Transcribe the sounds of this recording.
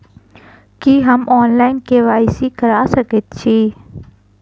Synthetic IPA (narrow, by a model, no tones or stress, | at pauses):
kiɦəmɔːnlaːɪnkeːʋaːisiːkəɾaːsəkɪt̪̚t͡ʃʰiː